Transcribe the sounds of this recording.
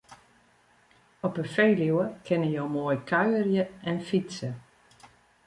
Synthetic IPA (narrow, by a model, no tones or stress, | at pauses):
ɔpəfejliwəkʰɪnəjowmoːjkʰaɥərjəɛnfitsə